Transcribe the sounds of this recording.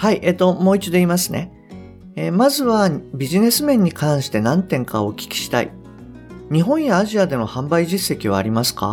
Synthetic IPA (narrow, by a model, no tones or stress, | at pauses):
haiʔet̪o̞mo̞ːit͡ɕid̪o̞iːmasɨne̞̰ | emazɨβabʲiʑine̞sɨmẽ̞ɲ̟ːikʰãɰ̃ɕi̥t̪e̞nãnt̪ẽ̞ŋkaokʲi̥kʲi̥ɕi̥t̪a̰ḭ | ɲ̟iɦõ̞ɰ̃jaːʑiad̪e̞no̞hãmbaiʑisːe̞kʲiβ̞a̰ːɾʲimasɨ̥ka̰